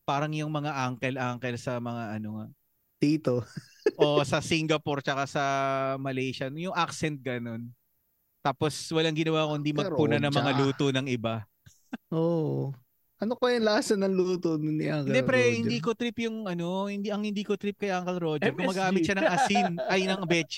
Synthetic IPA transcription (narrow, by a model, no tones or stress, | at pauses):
paːɾɐŋjʊŋmɐŋaʔaŋkɛlʔaŋkɛlsɐmɐŋaʔɐnoŋa̰ʔ | t̪iːt̪oʔo̞ʔsɐsiŋɡɐpoɾt͡ʃɐkasɐmɐlɛjʃɐnjʊŋʔaksɛnt̪̚ɡɐno̞n | t̪aːposwɐlaŋɡɪnɐwaːkohɪnd̪imɐɡpʊnɐnɐŋmɐŋaluːt̪onɐŋʔɪba | ʔo | ʔɐnokojɐnlɐasɐnɐŋluːt̪onniʔaŋk̪ɛd̪ɛpɾɛhɪnd̪iːkot̪ɾipjʊŋʔɐno̞hɪnd̪iʔɐŋhɪnd̪iːkot̪ɾip̚kɐjʔaŋkɛlɾo̞d͡ʒɐɡʊmɐɡaːmɪt̪ʃɐnɐŋʔɐsinʔɐjnɐŋbɛt͡ʃ